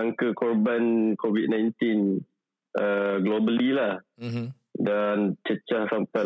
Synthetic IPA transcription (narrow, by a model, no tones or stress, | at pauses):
aŋkəkɔrbankovit̚nãjnt̪in | ʔəɡlobəlilah | dant͡ʃət͡ʃahsampa